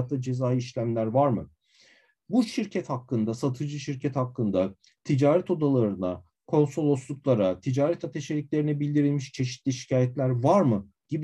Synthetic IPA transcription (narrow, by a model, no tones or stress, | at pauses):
t̪ʰːˠad͡ʒe̞zaːjiʃlʲæmlʲæɾvaɾmɯ | buʃiɾcʰɛt̪hakːɯnd̪asat̪ʰɯd͡ʒɯʃiɾcʰɛt̪hakːɯnd̪a | t̪ʰid͡ʒaːɾɛt̪o̞d̪alˠaɾɯna̰ | kʰo̞nsolˠoslˠuklˠaɾat̪ʰid͡ʒaːɾɛt̪ʰat̪ʰe̞ʃelʲiclʲe̞ɾinɛbilʲd̪iɾilʲmiʃt͡ʃʰe̞ʃi̥t̪lʲiʃi̥cʰaːjɛt̪lʲæɾvaɾmɯ | ɟ̥ib